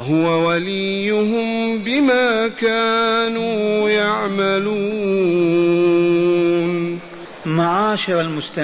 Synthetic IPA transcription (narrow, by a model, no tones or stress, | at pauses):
hʊwawalijːʊɦʊm | bɪmaːkaːnuːjaʕmaluː | n | maʕaːʃɪɾalmʊst̪a